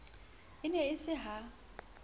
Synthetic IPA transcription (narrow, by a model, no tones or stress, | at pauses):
ɪnɛɪsɪɦa